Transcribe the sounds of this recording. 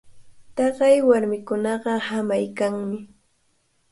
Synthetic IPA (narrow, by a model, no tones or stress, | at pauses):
t̪ɑɢɑjwaɾmɪkʊnɑɢɑhamajkaŋmɪ